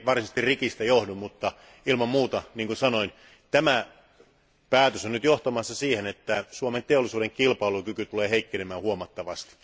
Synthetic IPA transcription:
ʋɑrsist̪irrikist̪ɑjohdummut̪ːɑ | ilmɑmmuːt̪ɑniːŋkunsɑnoin | t̪æmæ | pæːt̪øsonyt̪joht̪ɑmɑsːɑsiːhenet̪ːæsuoment̪eolːˑisuːdeŋkilpɑilukykyt̪uleːheikːenemæːhuomɑt̪ːɑʋɑst̪i̥

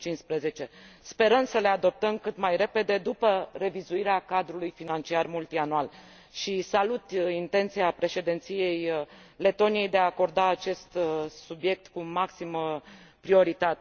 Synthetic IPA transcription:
t͡ʃinspɾeze̞t͡ʃe̞spe̞ɾəmsəle̞ad̪o̞p̚t̪əmkɨt̪majɾe̞pe̞d̪e̞d̪upəre̞vizuiɾeakad̪ɾulujfinant͡ʃiarmult̪ianual | ʃisalut̪int̪e̞nt̪siapɾe̞ʃe̞d̪ent̪sije̞j | le̞t̪o̞nije̞jd̪eaːko̞rd̪aːt͡ʃe̞st̪subje̞k̚t̪kumaksimə | pɾio̞ɾit̪at̪e

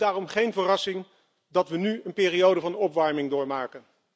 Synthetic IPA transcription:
daːrɔmχejnvərɑsɪŋ | dɑtʋənyənpɪːrijowdəvɑnɔpʋɑɹmɪŋdʊːɹmaːkən

